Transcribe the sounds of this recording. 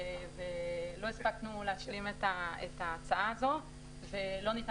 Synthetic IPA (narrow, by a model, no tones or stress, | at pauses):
evelo̞ispaknuleaʃilimet̪aḛt̪aːt͡saaːzo̞ | ve̞lo̞nit̪